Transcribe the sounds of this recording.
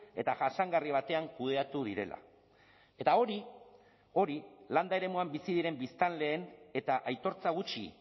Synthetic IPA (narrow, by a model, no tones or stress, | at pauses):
e̞t̪aʝaʃaŋɡariβ̞at̪e̞aŋkuð̞e̞at̪uð̞iɾe̞̰lʔa̰ | e̞t̪ao̞ɾi | o̞ɾiland̪ae̞ɾe̞muambisiðiɾe̞mbist̪anle̞ːne̞t̪aʔajt̪o̞ɾt͡saɣ̞ut͡ʃḭ